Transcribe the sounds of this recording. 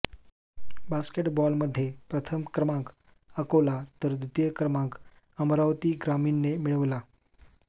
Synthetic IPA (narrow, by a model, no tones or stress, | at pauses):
baskeʈbɔlməd̪ʱːjepɾət̪ʰəmkɾəmãk | əkolat̪əɾd̪ut̪jəkɾəmãk | əmɾaʋt̪iːɡɾaminːemiɭəʋla